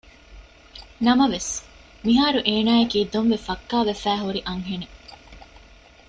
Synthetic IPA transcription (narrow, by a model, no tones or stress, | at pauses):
nɐmɐʋes | miɦaːɾuʔeːnaːekiːd̪onʋefɐkːaːʋefæːɦuɾiʔɐŋɦene